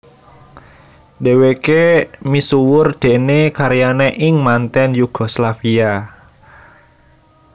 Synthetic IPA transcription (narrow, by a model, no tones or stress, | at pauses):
dewekemisuwʊrd̪̥e̤nekaɾijaneʔɪŋmant̪ɛnjuɡ̥ɔ̤slafia